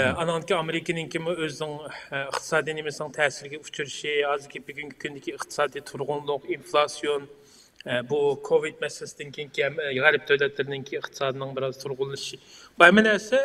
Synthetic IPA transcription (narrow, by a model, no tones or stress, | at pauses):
ɑnɨŋd̪ɪkʲʰiɑmeɾɪkʲinɪŋkʲʰimuøzɪnɪŋəχt̪ʰɨ̥sɑːd̪ijnemɪsɪnɪŋt̪ʰɛsɪɾɪɡʲɛut͡ʃʰuɾɪʃiɦɑzɨɾkʲʰibyɡʲyŋkʲʰi̥kʲʰynd̪ɪkʲʰiəχt̪ʰɨ̥sɑːd̪ijt̪ʰuɾʁʊnlˠʊqinflˠɑsijon | bukʰovid̪̚mɛslɪsɪd̪ɪnkʲʰejiŋkʲiɛmɛʁæɾɪp̚d̪ʰøwlɛt̪lɪɾɪnɪŋkʲʰijəχt̪ʰɨ̥sɑːd̪ɨnɪŋbɪɾɑzt̪ʰuɾʁʊlˠːɨʃibɑjmɪnɛsɛ